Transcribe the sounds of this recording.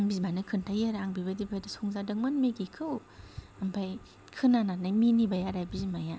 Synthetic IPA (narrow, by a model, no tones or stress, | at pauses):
aŋbizimanɯkʰɯntʰajaɾaŋbibadibʰadisɔŋzadɯŋmɯnmeɡikʰɯw | ampʰaj | kʰɯnanatnajminibajaɾajbizimaja